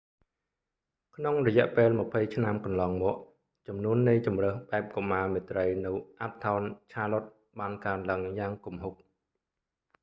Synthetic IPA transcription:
kʰnoŋrɔjɛ̆əʔpeːlmə̆pʰəjt͡ɕʰnamkɑnlɑːŋmɔːəʔ | t͡ɕɑmnuənːɨjt͡ɕumrəːhɓaɛp̚komːaːmeːt̪rəjnɨwʔap̚t̪ʰaɔnt͡ɕʰaːlot̪̚ | ɓaːnkaənlaəŋjaːŋkumɦuk̚

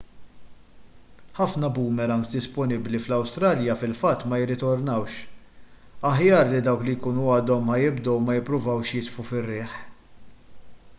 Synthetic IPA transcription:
ħɐfnɐbuːmɛɾɐŋk̪d̪ɪspɔnɪbliflɐwst̪ɾɐːljɐfɪlfɐt̪ːmɐjɪrːɪt̪ɔɾnɐwʃ | ɐħjɐːɾlid̪ɐwklijkuːnuɐːd̪ɔmħɐjɪbd̪ɔwmɐjɪpːɾʊvɐwʃjɪt̪fufɪrːɪːħ

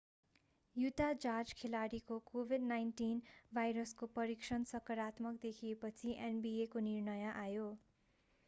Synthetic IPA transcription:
jut̪ad͡zard͡zkʰelaɽikokobʱidnajnʈinbʱajɾʌskopʌɾiksʌnsʌkʌɾat̪mʌkd̪ekʰiepʌt͡sʰiʔenbiekonirnʌjʌʔajo

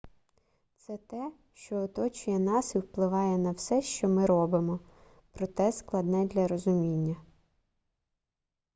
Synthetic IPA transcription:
t̪sɛt̪ɛ | ʃt͡ʃɔːt̪ɔt͡ʃʊjɛnɑsiwplˠɪʋɑjɛnɐwsɛʃt͡ʃɔmɪɾɔbɪmɔ | pɾɔt̪ɛsklˠɐd̪nɛd̪lʲɐɾɔzʊmʲinʲːɐ

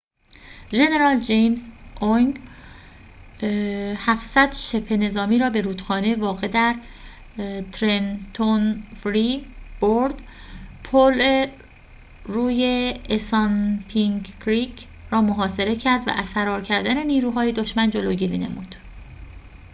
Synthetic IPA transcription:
ʒe̞ne̞ɾɒːld͡ʒejmzʔoŋ | hæfsæd̪ʃe̞pʰːe̞ne̞zɒːmiːɾɒːbe̞ɾuːt̪xɒːnevɒːɣe̞d̪æɾ | t̪ʰɾent̪ʰonfɾib̥oɾd̪ | pʰole | ɾuːjeesɒnpʰiŋɡʰɾiɡ | rɒːmoɦɒːse̞ɾe̞cʰæɾd̪væ̰ʔæ̰z̥fæɾɒːɾcʰæɾd̪æne̞niːɾuːɦɒːje̞d̪o̞ʃmænd͡ʒo̞loːɟiɾiːne̞̰muːd̪̥

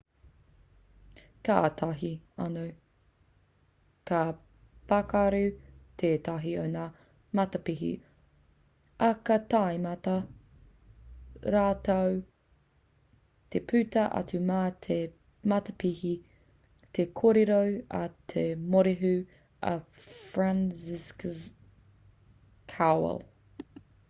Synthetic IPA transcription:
kaːtʰaɦiɐno | ka | pakaɾʉtʰeːtaɦionaː | mɐtɐpiɦḭ | ʔɐkɐtajmɐtɐ | ɾaːtɐw | t̪ʰepʰʉt̪ɐʔɐ̰tʉmaːt̪ʰe | mɐt̪ɐpihi | t̪ʰekʰoɾeɾowɐ̰t̪ʰemoɾeɦʉ | ɐ̰ | fɾansisk | kʰaw̰l

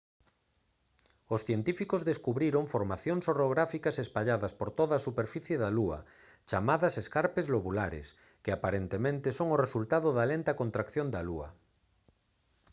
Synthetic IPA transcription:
osθjent̪ifikozðeskuβɾiɾoŋfoɾmaθjoŋsoroɣɾafikasespaʎaðaspoɾt̪oðaːsupeɾfiθjeðaluɐ̰ | t͡ʃamaðaseskaɾpezloβulaɾḛs | keapaɾent̪emẽnt̪esoŋoresult̪aðoðalent̪akont̪ɾakθjõnd̪aluɐ̰

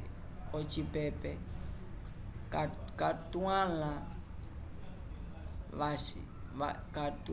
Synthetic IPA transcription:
ot͡ʃipɛpɛ | kakat̪uãlã | βasḭ | a̰kat̪

